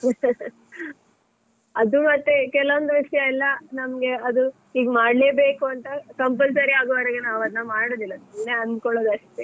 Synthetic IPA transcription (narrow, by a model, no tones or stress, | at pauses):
ɐd̪umɐt̪ːe̞kɛlɐʋond̪uʋiʂɐjɐilːɐnɐmɡe̞ɐd̪u | iːɡmaːɽleːbeːkuɐnt̪ɐkɐmpɐlsɐɾiaːɡoʋɐɾɐɡenaːʋɐd̪nɐmaːɽoːd̪ilːɐineɐnd̪kɔɭoːd̪ɐʂʈ̪e